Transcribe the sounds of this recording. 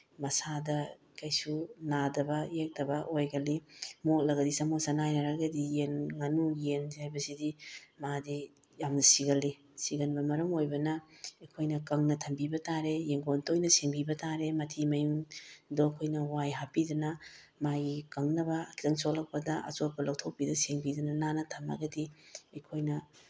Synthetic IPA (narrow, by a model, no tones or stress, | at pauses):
mɐsadɐ | kɐjsunadɐbɐjek̚tɐbɐʔojɡɐlimolɐɡɐdisɐmosɐnajnɐɾaɡɐdijenŋanujenzajbɐsidimadi | jamnɐsiɡɐlːi | siɡɐnbɐmɐɾɐmojbɐnɐejkʰojnɐkɐŋnɐtʰɐmbibɐtaɾejeŋɡontojnɐseŋbibɐtaɾemɐtʰimɐjuŋdokʰojnɐwajɦapidɐnɐ | majikɐŋnɐbɐkʰi̥tɐŋsolɐk̚pɐdɐʔɐ̰t͡ʃot̚pɐlɐwtʰopidɐseŋbidɐnɐnanɐtʰɐma̰ɡɐdiɐjkʰojnɐ